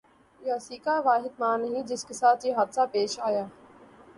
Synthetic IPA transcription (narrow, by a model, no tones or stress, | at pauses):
jaːsiːkaːʋaːɦɪd̪̚mãːnəɦĩːd͡ʒɪskɪsaːt̪iːɦɐɾsaːpeːʃaːjaː